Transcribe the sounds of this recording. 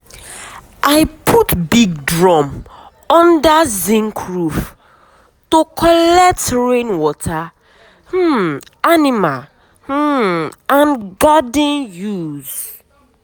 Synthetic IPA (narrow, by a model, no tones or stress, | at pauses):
ʔajpʰutbiɡ̚dɹɔ̃m | ɔ̃ndazĩŋkʰɹuf | tokʰɔlɛk̚tɹẽnwɔtʰa | h̩animal | h̩ãnɡadnjuz̥